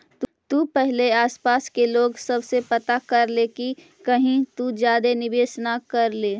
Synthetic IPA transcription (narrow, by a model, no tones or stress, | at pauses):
t̪t̪upɛɦleaːspaːskeloːɡsɐbsepɐt̪akɐɾleki | kɐɦĩt̪ud͡ʒjaːd̪enɪbeːsnakɐɾleː